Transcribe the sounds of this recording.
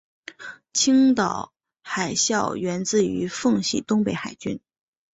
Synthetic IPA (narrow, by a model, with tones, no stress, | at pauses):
t͡ɕʰi˥ŋt̪ɑ˨˩ʊ | xa˨˩ɪɕjɑ˥˩ʊɥɛ˧˥nt͡sɹ̩˥˩y˧˥fɤ˥˧ŋɕḭ˥˩t̪ʊ˥ŋpe˧˥ɪxa˨˩ɪt͡ɕy˥n